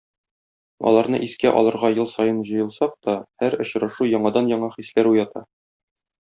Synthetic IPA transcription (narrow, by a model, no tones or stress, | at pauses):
ɒ̰lˠɑɾnɤ̰ʔiskæʔɒ̰lˠɤ̆ɾʁɑjɤlˠsɒjɤnʑɤ̆jɤ̆lˠsɑq̚t̪ɒhæɾŏɕɾɑʃujɒɴɑd̪ɑnjɒɴɑχislæɾujɑt̪ɑ̰